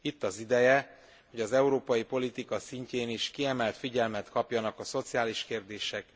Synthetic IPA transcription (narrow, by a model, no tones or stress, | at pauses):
it̪ːɒzid̪ɛjɛ | ho̞ɟɒzɛuɾoːpɒjipo̞lit̪ikɒsiɲceːniʃkiɛmɛlt̪fiɟɛlmɛt̪kɒpjɒnɒkɒso̞t̪sijaːliʃkeːrd̪eːʃɛk